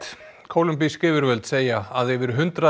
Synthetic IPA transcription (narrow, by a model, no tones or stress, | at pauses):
kʰoːwlʏmpiskɪːvʏɾvœlt̪seːjaaðɛvɪɾ̥ɦʏnt̪ɾa